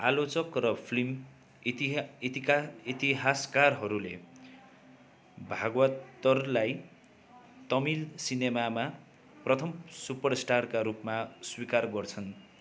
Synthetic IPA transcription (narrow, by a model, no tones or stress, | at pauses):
alot͡sʌkrʌpʰlim | it̪iɦaskarɦʌɾule | bʱaɡwʌt̪ːʌrlaj | t̪ʌmilsinemama | prʌt̪ʰʌmsupʌrsʈarkaɾupmaswikarɡʌrt͡sʰʌn